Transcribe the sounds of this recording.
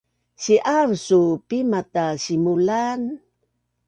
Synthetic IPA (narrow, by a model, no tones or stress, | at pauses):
ɕiʔaɾsupimataɕimulan